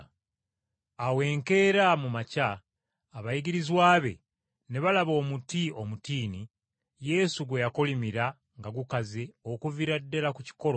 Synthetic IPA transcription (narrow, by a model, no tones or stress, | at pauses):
awe̞ːŋke̞ːɾamumacaː | βajiɟiɾizwaːβe̞̰ | ne̞βalaβo̞ːmutio̞mutiːni | je̞suɡwe̞jakolimiɾa | ŋɡaɡukazeokuviɾadːelakuci̥ko̞ɾo